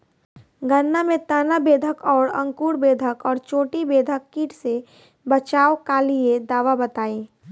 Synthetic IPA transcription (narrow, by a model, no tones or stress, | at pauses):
ɡənːamẽt̪aːnabeːd̪ʱəkɔːɾə̰̃ŋkuːɾbeːd̪ʱəkɔːɾt͡ʃoːʈibeːd̪ʱəkːiːʈʰse | bət͡ʃaːokalied̪aːʋabət̪aːiː